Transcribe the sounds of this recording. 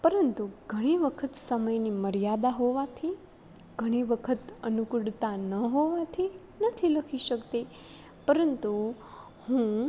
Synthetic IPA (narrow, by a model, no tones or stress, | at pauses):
pəɾənt̪uɡʱəɽ̃iʋəkʰət̪səməjniməɾijad̪aɦoʋat̪ʰi | ɡʱəɽ̃iʋəkʰət̪ənukɽt̪anəɦoʋat̪ʰi | nət̪ʰiləkʰiʃəkt̪e | pəɾənt̪u | hũ